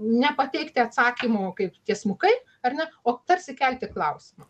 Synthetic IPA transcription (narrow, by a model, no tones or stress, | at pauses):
nʲɛpɐt̪ʲɛɪkt̪ʲɪɐt̪sɑːkʲiːmoːkɐɪpt̪ʲiɛsmʊkɐɪ | ɐrnʲɛoːt̪ɐɾʲsʲɪkʲɛlʲt̪ʲɪklˠɐʊsʲɪmɐ